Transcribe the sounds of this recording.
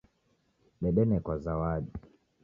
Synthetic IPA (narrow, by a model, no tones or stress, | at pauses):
ɓɛɗɛnɛkwazawaɗi